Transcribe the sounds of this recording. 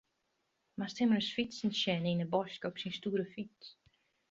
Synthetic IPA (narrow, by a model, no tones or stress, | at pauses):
mastɪmərəsfitsən̩ʃɛninəbɔskɔpsinstuːɾəfit